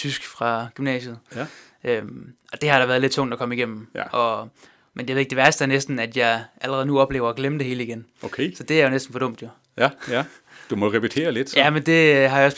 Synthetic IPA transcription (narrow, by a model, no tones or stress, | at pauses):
t͡sʰysɡ̥fʁɑ̈ɡ̥ymnɛ̰ːɕð̞̩ˠ | ʔømɒ̽d̥e̝hɑ̈ɾ̥ɑ̈ʋæːɐðˠle̝d̥̚t͡sʰɔ̽ŋ̰d̥ækʰɒ̽məiɡ̥em̰m̩ʔɒ̽ | menjɑeðˠeɡ̥̚d̥eʋæɐsd̥əæɐnesd̥n̩æd̥jɑ̈ɪʔæləʁɛðˠnuɒ̽b̥le̝̰ːʊɐɡ̥leməd̥e̝e̝ːləiɡ̥enokʰesɒ̽d̥e̝æɐjo̝nesd̥n̩fɒ̽ɾɔ̽m̰d̥jo | d̥umɒʁɛpit͡sʰe̝̰ːɐled̥jæmend̥e̝ɦɑjɑɒ̽s